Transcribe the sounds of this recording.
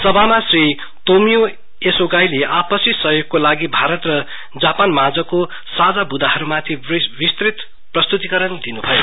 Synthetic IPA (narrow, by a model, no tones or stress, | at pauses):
sʌbʱamasri | t̪omijo | esoɡajleʔapʌsisʌɦjoɡ̚kolaɡibʱaɾʌt̪rʌ | d͡zapanmad͡zʌko | sad͡zabud̪aɦʌɾumat̪ʰibist̪rit̪ | prʌst̪ut̪ikʌɾʌnd̪inubʱʌjo